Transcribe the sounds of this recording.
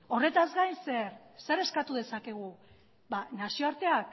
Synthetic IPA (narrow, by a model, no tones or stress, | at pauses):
o̞re̞t̪azɡajnse̞ɾse̞ɾe̞skat̪uð̞e̞sake̞ɣ̞u | banasio̞aɾt̪e̞ak